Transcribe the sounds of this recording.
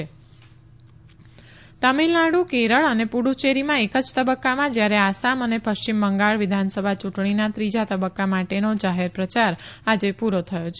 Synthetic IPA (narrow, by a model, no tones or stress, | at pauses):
e | t̪əmilnaɽukeɾəɭənepuɽut͡ʃeɾimãekəd͡ʒt̪əbəkːamãd͡ʒjaɾeasamənepəʃt͡ʃimːəŋɡaɭʋɪd̪ʱansəbʱat͡ʃuʈɳ̃inat̪ɾid͡ʒat̪əbəkːamaʈenod͡ʒaɦeɾpɾət͡ʃaɾad͡ʒepuɾot̪ʰəjot͡ʃʰe